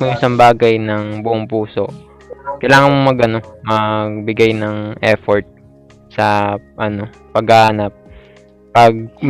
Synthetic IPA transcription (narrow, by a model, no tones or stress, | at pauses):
moɪsɐmbaːɡɐjnɐŋbʊʔoŋpuːso̞ʔ | kɐjlaːŋɐnmomɐɡʔɐno̞mɐɡ̚bɪɡajnɐŋʔɛfoɹt̪̚ | sɐʔɐno̞ | pɐɡaːhanɐp̚ː | ɐɡ̚